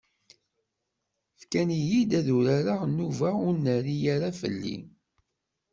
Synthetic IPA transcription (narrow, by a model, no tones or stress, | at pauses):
fkænijid̪æðuɾaɾaʁnːuvaʊɾnəɾijaɾafə̰lːḭ